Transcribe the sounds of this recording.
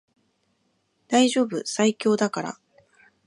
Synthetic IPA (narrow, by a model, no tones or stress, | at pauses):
d̪̥aiʑo̞ːbɯ̟saikʲo̞ːd̪akaɾa̰